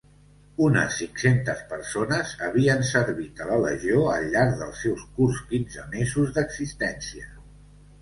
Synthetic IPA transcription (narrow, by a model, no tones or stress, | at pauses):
unə̰siŋsent̪əspəɾsonəzəβiənsəɾβit̪ələlə̰ʒioəlˠʎːaɾkðə̰lˠsɛwskurskinzəmezuzðəɡzist̪ɛnsiə